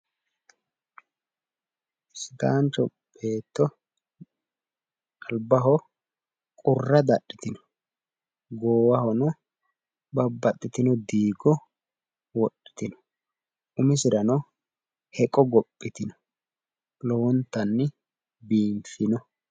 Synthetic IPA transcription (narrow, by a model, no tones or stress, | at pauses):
sɪt̪aːnt͡ʃɔb̥eːt̪ːɔ | ɐlbɐɦɔ | kʼʊrːɐd̪ɐɗːɪt̪ɪnɔ̥ | ɡoːwɐhɔnɔ | bɐbːɐt̪ʼːɪt̪ɪnɔd̪iːɡɔ | wɔɗːɪ̥t̪ɪnɔ̥ | ʊmɪsɪɾɐnɔ | hɛkʼɔɡɔpʼːɪt̪ɪnɔ̥ | lɔɔnt̪ːɐnːɪ | biːmfɪnɔ